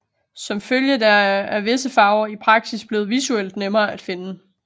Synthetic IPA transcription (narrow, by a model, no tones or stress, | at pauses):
sɒ̽mføljədɑæɐʋe̝səfɑ̈ʊɐipʰʁɑ̈ɡ̥sisb̥le̝ːð̩ˠʋisuel̰d̥nemɐːæd̥fe̝nə